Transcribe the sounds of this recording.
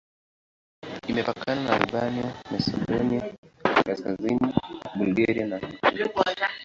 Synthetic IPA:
imɛpakʰananaṵvaniamɛsɛ̰ɗɔniakaskaziniɓulɡaɾianahutu

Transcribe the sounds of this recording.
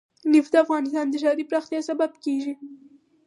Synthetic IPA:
nɪfd̪əafɣɑnɪst̪ɑnd̪əʃɑɾipɾɑxt̪jɑsababkeʒi

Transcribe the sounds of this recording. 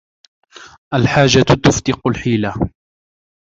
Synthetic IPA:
ʔalħaːd͡ʒːat̪ʊft̪ɪqʊlħiːla

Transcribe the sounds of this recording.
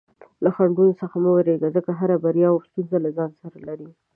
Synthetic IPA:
laxaɳɡunosəxaməwɾeɡazəkaɦaɾabaɾijɑast̪unzalazɑnsaɾalaɾi

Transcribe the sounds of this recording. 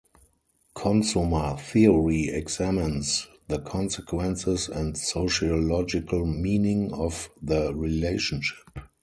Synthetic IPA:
kʰɔ̃nsumə˞θiəɹiɛɡzæmɪ̃ns | ðəkʰɔ̃nsɛkʰwɛ̃nsɪsɛ̃ntsoʊʃiolɔd͡ʒɪkʰəlmĩːnɪ̃ŋɔfðəɹileɪʃə̃nʃɪ̥p

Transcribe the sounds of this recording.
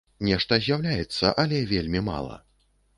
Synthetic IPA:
nʲɛʂt̪ɐzʲjawlʲajɛt̪sːɐ̰ʔɐlʲɛvʲelʲmʲima̰lˠɐ̰

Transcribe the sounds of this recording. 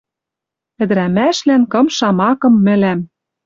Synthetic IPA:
ɘ̆d̪ɘɾæmæʃlænkɤ̆mʃɑmɑkɤ̆mːɘ̆læm

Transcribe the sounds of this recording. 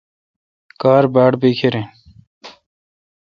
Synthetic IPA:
kaːɾbaːɽbiːkʰeɾẽː

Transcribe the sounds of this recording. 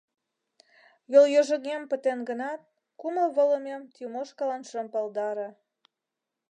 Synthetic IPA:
joljoʒə̆ɣempət̪enɡənɑt̪̚ | kuməlβələmemt̪umoʃkɑlɑnʃə̆mpɑld̪ɑɾe

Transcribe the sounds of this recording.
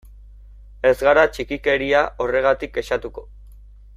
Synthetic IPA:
e̞zɣaɾat͡ʃikike̞ɾiaʔo̞re̞ɣ̞at̪ik̚ːe̞ʃat̪uko̞

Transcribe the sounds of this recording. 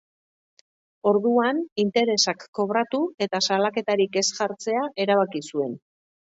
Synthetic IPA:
o̞ɾðuanint̪e̞ɾe̞sakːo̞βɾat̪ue̞t̪asalake̞t̪aɾike̞sʝaɾt͡se̞aʔe̞ɾaβ̞akisue̞n

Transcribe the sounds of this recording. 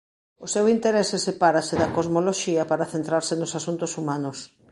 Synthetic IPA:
ʊsewint̪eɾesɪsepaɾasɪðɐkozmoloʃiɐpaɾɐθent̪ɾaɾsɪnʊsasunt̪ʊsumãnʊs

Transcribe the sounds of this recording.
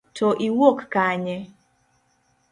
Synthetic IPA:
tʰɔʔiwokkaɲɛ

